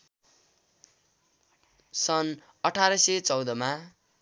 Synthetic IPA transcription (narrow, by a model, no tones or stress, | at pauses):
sʌn | ʌʈʰaɾʌset͡sʌwd̪ʌma